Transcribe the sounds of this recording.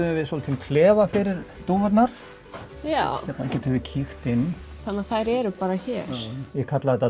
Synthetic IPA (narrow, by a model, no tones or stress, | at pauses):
ʏvɪðsɔlt̪ʰimkʰlɛːvafɪɾɪɾt̪uvɛt̪naɾ̥ | jaçɛt̪naɛhcɛt̪ʰhʏvɪcʰixt̪ɪnː | θanːaθajɾɛɾʏpaːɾaçɛːɾ̥jɛkʰat̪laðɛt̪a